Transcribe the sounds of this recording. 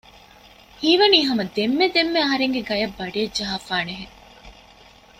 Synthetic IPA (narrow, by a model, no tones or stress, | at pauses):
hiːʋɐniːɦɐmɐd̪emːed̪emːeɐɦɐɾeŋɡeɡɐjɐbːɐɖiɐd͡ʒɐɦaːfaːneɦeŋ